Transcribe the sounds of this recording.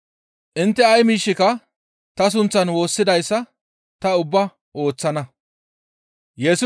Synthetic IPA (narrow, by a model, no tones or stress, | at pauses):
ʔɪnt̪ːɛɐjmiːʃːɪkɐ | t̪ɐs̬ʊnt͡sːɐnwo̞ːsːɪd̪ɐjsːɐ | t̪ɐʊbːɐ | ʔo̞ːt͡sːɐnɐ | jɛsʊ